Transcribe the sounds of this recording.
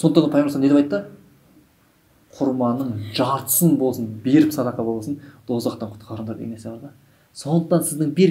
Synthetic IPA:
soət̪ːɑɑpʰɑjemsɑneeɑjt̪ːə | qʰʊɾmɑnːəɴʒɑɾt̪ə̥sənbo̞lˠsənbe̞ɾɪpsɑd̪ɑqɑbo̞lˠɑsənd̪̥o̞zʁɑqt̪ɑɴqʰʊ̥t̪qʰɑɾəd̪ɑɾd̪ḛnesɪbɑɾd̪ɑ | so̞nd̪əq̚t̪ɑnsɪzd̪ɪŋbeɾ

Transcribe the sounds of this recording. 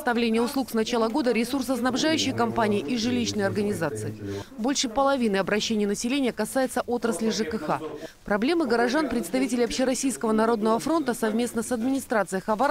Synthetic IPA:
st̪ɐvlʲenʲɪjəʊslˠuksnɐt͡ɕalˠəɡo̞d̪əɾʲɪsurs̬əsnɐbʐajʉɕːɪjkɐmpanʲɪːʔɪʐɨlʲiɕnəjɐrɡənʲɪzat̪sɨɪbo̞lʲʂɨpəlˠɐvʲinɨjɐbɾɐɕːenʲɪjənəsʲɪlʲenʲɪjəkɐsajɪt̪səʔo̞t̪ɾəsʲlʲɪʐɨkəxa̰pɾɐblʲe̞mɨɡəɾɐʐanpɾʲɪt̪st̪ɐvʲitʲɪlʲɪɐpɕɪɾɐsʲijskəvənɐɾo̞d̪nəvəfɾo̞nt̪əsɐvmʲe̞snəsɐd̪mʲɪnʲɪst̪ɾat̪sɨjəxɐva

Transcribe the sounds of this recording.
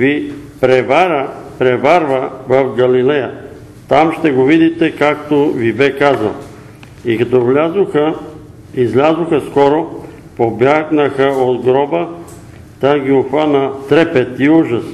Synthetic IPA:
vipɾɛvaɾəpɾɛvaɾvəvɐfɡɐlilɛjə | t̪amʃt̪ɛɡovid̪it̪ɛkak̚t̪ovibɛkazə̰lˠ | ikɐt̪ɔvlʲazoxə | izlʲazoxɐskɔɾo | pobjaɡnəxəod̪ɡɾɔbə | t̪aɡʲioxvanət̪ɾɛpɛt̪iuʒɐs

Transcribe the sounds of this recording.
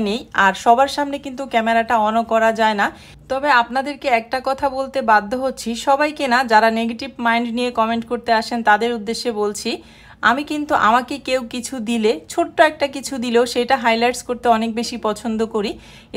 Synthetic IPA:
nejaɾʃɔbaɾʃamnekint̪ukɛmeɾaʈaɔnokɔɾad͡ʑaena | t̪ɔbeapnad̪eɾkeɛk̚ʈakɔt̪ʰabolt̪ebad̪ʱːoɦotːɕʰiʃɔbajkenad͡ʑaɾaneɡeʈibmajɳɖnijekɔmeɳʈkoɾt̪eaʃent̪ad̪eɾud̪ːeʃːebolt͡ɕʰi | amikint̪uʔamakekewkit͡ɕʰud̪ilet͡ɕʰoʈːoɛk̚ʈakit͡ɕʰud̪ileoʃejʈaɦajlajʈskoɾt̪eɔnek̚beʃipɔt͡ɕʰond̪okoɾi

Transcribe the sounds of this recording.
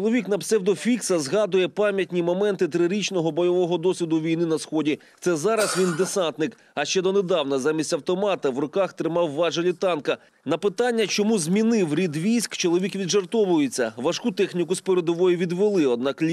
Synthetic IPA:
t͡ʃɔlˠɔʋʲikn̪ɐbsɛwd̪ɔfʲiksɐzɦɑd̪ʊjɛpɑmʲjɐtʲnʲimɔmɛnt̪ɪt̪ɾɪɾʲit͡ʃnɔɦɔbɔjɔʋɔɦɔd̪ɔsʲʋʲid̪ʊʋʲijnɪnɐsxɔdʲi | t̪sɛzɑɾɐsʋʲind̪esɑnt̪nɪk | ɐʃt͡ʃɛd̪ɔned̪ɑwnɐzɑmʲisʲtʲɐwt̪ɔmɑt̪ɐwrɔkɑxt̪ɾɪmɑwːɑʒɐlʲit̪ɑnkɐ | nɐpɪt̪ɑnʲːɐt͡ʃɔmuzʲmʲinɪwɾʲid̪ʋʲijsʲkt͡ʃɔlˠɔʋʲikʋʲidʒɐrt̪ɔʋʊjet͡sʲːɐʋɐʃkut̪ɛxnʲikʊspeɾed̪ɔʋɔjiʋʲid̪ʋelˠɪɔd̪̚nɑklʲ

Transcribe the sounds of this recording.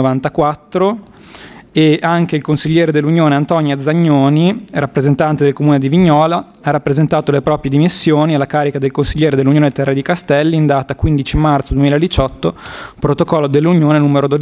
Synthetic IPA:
ovant̪akwat̪ːɾo | eaŋk̟eilkonsiʎːɛːɾed̪elːunjoːneant̪ɔnjad̪zːaɲːoːnirapːɾezent̪ant̪ed̪elkomuːned̪iviɲːɔːla | arːapːɾezent̪aːt̪olepɾɔːpɾjed̪imisːjoːnialːakaːɾikad̪elkonsiʎːɛːɾed̪elːunjoːnet̪ɛrːed̪ikast̪ɛlːind̪aːt̪akːwind̪it͡ʃimart̪sd̪wemiːlaed̪it͡ʃɔt̪ːopɾot̪okɔlːod̪elːunjoːnenuːmeɾod̪od̪

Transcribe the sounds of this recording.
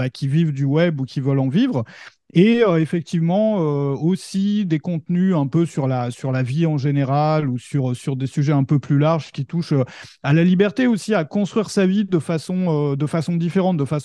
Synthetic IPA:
bakʲivivd̪ywɛbukʲivœlɑ̃vivʁ | eøefɛk̚t̪ivmɑ̃øosid̪ekɔ̃t̪nyɛ̃pøsyʁlasyʁlaviɑ̃ʒeneʁalusyʁsyʁd̪esyʒɛɛ̃pøplylaʁʒkʲit̪uʃø | alalibɛʁt̪eosiakɔ̃st̪χɥiʁsavid̪əfasɔ̃ød̪əfasɔ̃d̪ifeʁɑ̃t̪̚d̪əfasɔ̃

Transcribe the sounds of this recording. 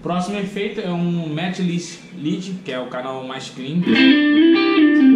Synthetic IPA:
pɾɔsimʊefejt̪ʊɛũmɛt͡ʃliʃ | lid͡ʒikɪɛʊkanawmajʃklĩn

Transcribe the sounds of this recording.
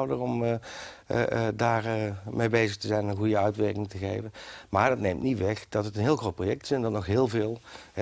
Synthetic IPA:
wdərɔm | daːrəmejbejzəχtəzɛjnənɣujəœɥtʋɛɹkɪŋtəɣejvənmaːɹdɑtnejmtnitʋɛxd̥ɑtətənɦɪːlˠxrowt̚projɛk̚tɪ̥sɛndɑtnɔxɦɪːlˠvɪːlˠ

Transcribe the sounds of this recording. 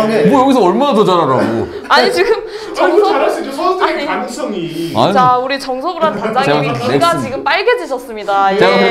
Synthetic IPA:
bojʌɡisʰʌʌɭmanatod͡ʑaɾaɾɾaɡo | aɲit͡ɕiɡɯm | t͡ɕʌŋsʰʌaɲiia̰t͡ɕauɾit͡ɕʌŋsʰʌɡɯɾantad͡ʑaɡeɡaekɡat͡ɕiɡɯmp͈aɭɡed͡ʑiɕʰʌs͈ɯmɲidajeɡa

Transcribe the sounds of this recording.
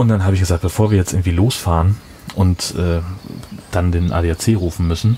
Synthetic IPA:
ʊnt̚d̥anɦaːbəɪçɡ̥əzaːk̚t̚bəfoːɐviːɐjɛt͡stʔɪɐŋ̩tv̥iːloːsfaːʁən | ʔʊntʔɛː | d̥andeːnʔa̰ːdeːaɐt͡seːʁuːfn̩mʏsn̩

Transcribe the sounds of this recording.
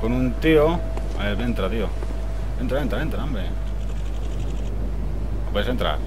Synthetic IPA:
konunt̪io | eβent̪ɾat̪io | ent̪ɾaβent̪ɾaent̪ɾaambɾe | pwoeset̪ɾa̰ɾ

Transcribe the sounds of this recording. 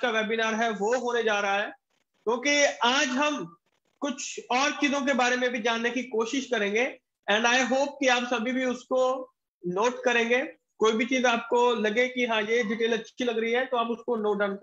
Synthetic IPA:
kaʋɛːbinaːɾɦɛʋoɦoːned͡ʒaːɾɐɦaɦɛː | kʲjõːkiaːd͡ʒɦɐm | kʊt͡ʃʰɔːɾt͡ʃiːzõk̬ebaːɾemẽbʱid͡ʒaːnːekikoːʃɪʃkɐɾẽːŋ̆ɡeː | ɛ̃ːɳɖaːiɦoːp̚kiaːpsɐbʱibʱiʊsko | noːʈkɐɾẽːŋɡeː | koːibʱit͡ʃiːzaːp̚kolɐɡekiɦãjeɖɪʈeːlɐtːʃʰilɐɡɾɐɦiɦɛt̪oaːpʊskonoːʈ̚ɖaːnk

